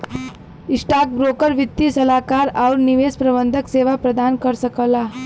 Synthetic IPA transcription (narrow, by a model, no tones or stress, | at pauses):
isʈak̚bɾokəɾʋit̪ːisəlakaɾawɾniʋespɾəbənd̪ʱəkseʋapɾəd̪ankəɾsəkəla